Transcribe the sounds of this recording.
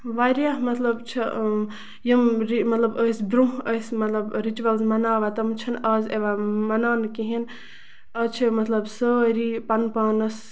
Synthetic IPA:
ʋaɾijamɐt̪lɐbt͡ʃʰi | jɐmɾimɐt̪lɐbəsbɾũəsmɐt̪lɐbɾit͡ʃuɐlzmɐnaːʋat̪ɐmt͡ʃʰɐnɐzeʋamɐnaːnkiɦin | ɐt͡ʃʰimɐt̪lɐbsəɾipɐnpaːnɐs

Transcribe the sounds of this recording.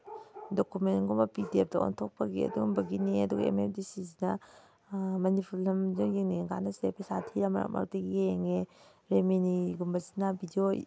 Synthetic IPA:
dokumenɡumɐpidiep̚tɐo̰ntʰok̚pɐɡiɐ̰duɡumbɐɡiniɐduɡɐḛmepdisizinɐ | manipʰullɐmd͡ʒuŋjeŋniɡa̰nɐsepʰesatʰiɾamɐ̰ɾa̰kmʔa̰k̚tiɡieŋe | ɾemeniɡumbɐzinabidio

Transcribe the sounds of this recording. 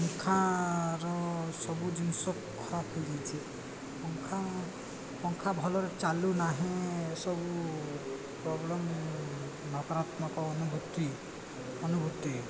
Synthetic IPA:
ŋkʰaɾɔsɔbud͡ʒinsɔk̚ɡʱɔɾakʰɔjdejt͡ʃʰi | ɔŋkʰa | pɔŋkʰabʱɔlɔɾet͡ʃalunaɦẽsɔbu | pɾɔblɔm | nɔkɔɾat̪mɔkɔːnubʱut̪i | ɔnubʱut̪i

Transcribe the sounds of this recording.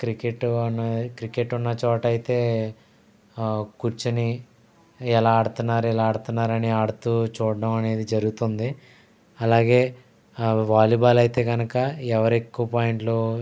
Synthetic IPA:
kɾikeʈnɐkɾikeʈːunːɐt͡ʃɔːʈɐjit̪e̞ː | kuɾt͡ʃini | ɛlaːɽut̪unːaːɾuɛlaːɽut̪unːaːɾɐniaɽut̪uːt͡ʃuːɽɐmɐne̞ːd̪id͡ʒɐɾuɡut̪ond̪i | ɐlaːɡe̞ː | ʋaːliːbaːlɐjit̪e̞ːɡɐnɐkɐɛʋɐɾekːuʋɐpaːjiɳʈloː

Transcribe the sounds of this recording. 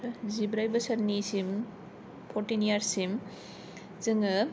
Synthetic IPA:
zibɾajbɐsɐɾnisim | pʰoɾtinijaɾsim | zɯŋɯ

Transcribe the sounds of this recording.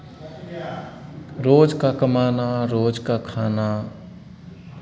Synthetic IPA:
ɾoːd͡ʒkakəmaːnaɾoːd͡ʒkakʰaːna

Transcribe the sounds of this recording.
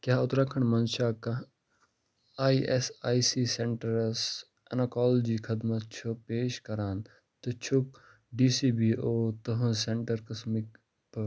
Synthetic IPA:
kjaːʊt̪ɾɐkʰəɳmɐnʃaːkɐ | aːiʔesaːisiːseɳʈəɾs | ɐ̰nɐkaːlod͡ʒiːkʰɐd̪mɐt̪t͡ʃʰupeːʃkɐɾaːn | t̪ot͡ʃʰʊk̚ | ɖiːsiːbiːoːt̪ɐɦɐ̃seɳʈəɾkɐsmik | p

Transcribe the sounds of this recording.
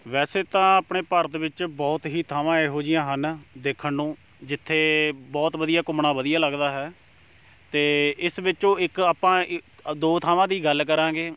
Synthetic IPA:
ʋɛːseːt̪ãːaːpɳeːpəɾt̪ʋɪt͡ʃbɔːt̪ɦiːt̪ʰaːʋãːeːɦoːd͡ʒɪjãːɦənd̪eːkʰːənːũː | d͡ʒɪt̪ʰːeːbɔːt̪ʋəd̪ijaːkʊmɳãːʋəd̪ijaːləɡd̪aːɦɛː | t̪eːɪsʋɪt͡ʃõːɪkaːpãːd̪oːt̪ʰaːʋãːd̪iːɡəlkəɾãːɡeː

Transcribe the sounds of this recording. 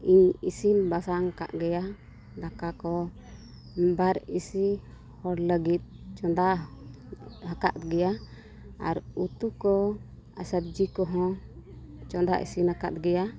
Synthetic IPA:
iɲisinbasaŋka̰ʔɡɛja | d̪akakɔ | baɾisi | hɔɽləɡit̪̚ˀt͡ʃɔd̪a | ɦaka̰ʔ̪ɡɛja | a̰ɾut̪ukɔ | a̰səb̚d͡ʒikɔɦɔ̃ | t͡ʃɔ̃nd̪aʔḭsinaka̰t̪̚ɡɛja

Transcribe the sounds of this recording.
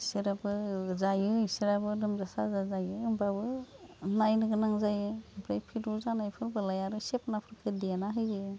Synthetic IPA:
isɯɾabɯzajɯisiɾabɯdɯmzasazazajɯːmbabɯnajnɯɡɯnaŋzajɯɯpʰɾajpʰiɾuzanajpʰɯɾbɯlajaɾɯsepnapʰɯɾkʰɯdijanaɦɯjɯ

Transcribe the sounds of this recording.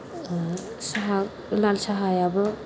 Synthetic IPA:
saɦa | lalsaɦajabɯ

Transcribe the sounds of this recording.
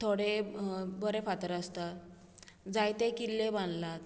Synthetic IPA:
t̪ʰoɽebəɾefat̪əɾəst̪at̪ | d͡zajt̪ekilːebanlat̪

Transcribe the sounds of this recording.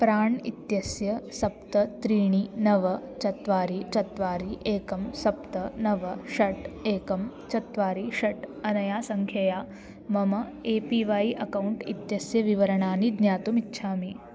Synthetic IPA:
pɾaːɳḭt̪jɐsjɐsɐpt̪ɐt̪ɾiːɳ̃inɐʋɐt͡ʃɐt̪ʋaːɾit͡ʃɐt̪ʋaːɾiʔeːkɐmsɐpt̪ɐnɐʋɐʃɐʈeːkɐm | t͡ʃɐt̪ʋaːɾiʃɐʈɐnɐjaːsɐŋkʰjɐjaː | mɐmɐeːpiːʋaːiʔɐkauɳʈḭt̪jɐsjɐʋiʋɐɾɐɳaːnid̪njaːt̪umitːʃʰaːmi

